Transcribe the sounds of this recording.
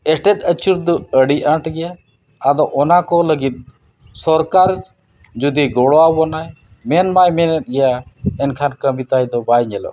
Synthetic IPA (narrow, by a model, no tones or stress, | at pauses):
ɛʈɛt̪ət͡ʃʰuɾd̪ɔəɽiãʈɡɛjaː | d̪ɔʔɔnakɔləɡit̪̚ˀ | sɔɾkaɾ | d͡ʒud̪iɡɔɽɔawɔnaj | mɛnmajmɛnɛt̪̚ɡɛjaɛnkʰankəmit̪ajd̪ɔbajɲɛlɔ̰